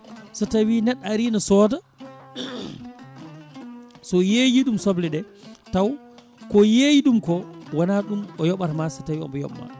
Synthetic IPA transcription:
satawinɛɗaɾinasɔːda | sɔjejiɗumsoblɛɗɛtaw | kɔjejiɗumkɔwanaɗumɔjɔɓaɾmasatawiɔ̰mbɔjɔ̰ɓma̰

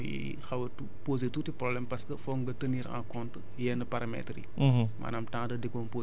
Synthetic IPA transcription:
ḭ | xɐwɐtu | poːzetuːtiprɔblɛmpɐskəfɔːŋɡɐtəniːɾã̰kɔnt | jɛnɐpaɾɐmɛ̰trḭ | ma̰ːnɐmtãŋdɐdekɔnpoː

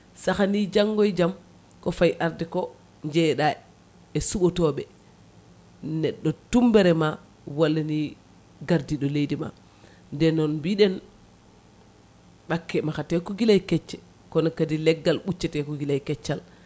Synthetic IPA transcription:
saxanid͡ʒaŋɡɔjd͡ʒam | kɔfajʔaɾdɛkɔ | ɲd͡ʒɛɗa | ɛsuɓɔtɔɓɛ | nɛɗːɔtumbɛɾɛma | walːani | ɡaɾdiɗɔlejdima̰ | ndɛnɔnbiɗɛn | ɓakːɛmaxatɛkɔɡilajkɛt͡ʃːɛ | kɔnɔkadilɛɡːalɓut͡ʃːɛtɛkɔɡilajkɛt͡ʃːal

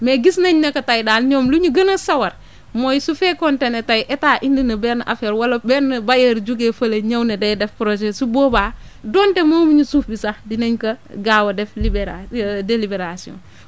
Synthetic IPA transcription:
meɡisnɐɲnɐkɐtajdaːlɲoːmluɲuɡɐnɐsɐwɐɾ | mojsufekontenetajʔetaːʔindinɐbɛːɾnʔafeːɾwɐlobɛɾnɐbajeɾd͡ʒuɡefɐlɐɲɐwnedejdefpɾoʒesuboːba | doːntemomiɲusuːfbisadineɲkɐɡaːwɐdeflibeɾadelibeɾasiõ̰n

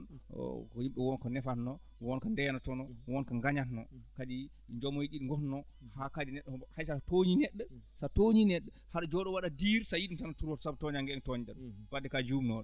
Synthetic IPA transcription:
n̰kɔjimɓɛwɔnkɔnɛfatnɔ | wɔnkandɛjanatɔnɔwɔnkaŋɡaɲatnɔkad͡ʒi | ɲd͡ʒɔmːɔjiɗiɗiŋɡɔtnɔ | hakadinɛɗːɛɔhajsatoɲinɛɗːɛsatoɲinɛɗːɛ | haɗd͡ʒɔɗɔwaɗadiɾsajiɗimtanatuɾwɔtsabtɔɲaŋɡɛɛntɔɲdanb̥adɛkad͡ʒumnɔ

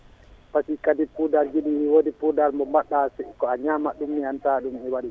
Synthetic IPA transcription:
pasikadipudaɾd͡ʒiɗiwodipudaɾmɔmaɗːasɛkɔaɲamaɗumːihantaɗumɛwaɗi

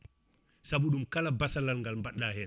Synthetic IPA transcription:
saɓuɗumkalabasalalŋɡalmbaɗːahɛn

